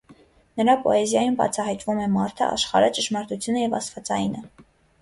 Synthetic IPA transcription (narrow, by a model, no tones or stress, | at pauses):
nəɾɑpɔ̰ɛzjɑjumbɑ̰t͡sʰɑɦɑjt̪vumɛmɑɾt̪ʰə̰ʔɑ̰ʃχɑ̰ɾət͡ʃəʃmɑɾt̪ut͡sʰjunəjɛvɑ̰st̪vɑt͡sɑjinə